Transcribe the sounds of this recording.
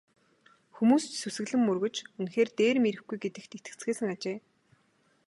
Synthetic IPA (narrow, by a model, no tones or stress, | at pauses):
xumuːst͡ɕsusɘ̆ɣɮɘ̆mːɵrɣɵ̆t͡ɕunxeːrt̪eːrmeɾɘ̆xɡujɡet̪ɘ̆kt̪ʰet̪ɘ̆kt͡sɡeːsɘ̆ŋat͡ɕeː